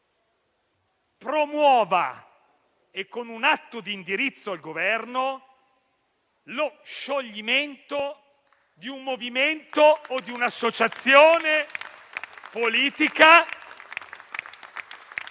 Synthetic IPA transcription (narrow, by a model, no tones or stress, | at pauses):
pɾomwɔːva̰ | ekːonunat̪ːod̪iːnd̪iɾit̪sːoalɡovɛrno | loʃːoʎːiment̪o | d̪iumːoviment̪oːd̪iunasːot͡ʃat̪sːjoːne | poliːt̪ika